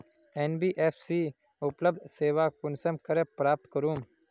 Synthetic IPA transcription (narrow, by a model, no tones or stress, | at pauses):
eːnbiːʔeːfsiː | ʊpləb̚d̪seːʋaːkʊnsəmkəɾepɾaːp̚t̪kəɾuːm